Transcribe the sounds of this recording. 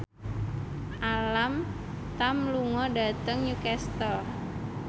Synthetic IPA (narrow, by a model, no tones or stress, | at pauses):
ʔalam | t̪amluŋɔɖa̤t̪əŋjukɛst̪ɔr